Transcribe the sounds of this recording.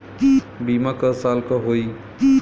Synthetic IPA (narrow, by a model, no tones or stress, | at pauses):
bimakʌsalkʌɦoi